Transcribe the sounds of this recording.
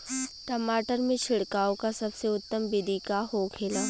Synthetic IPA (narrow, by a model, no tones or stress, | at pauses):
ʈəmaːʈəɾmẽt͡ʃʰɪɽkaːõkasɐbseʊt̪ːəmbɪd̪ʱikaɦokʰeːlaː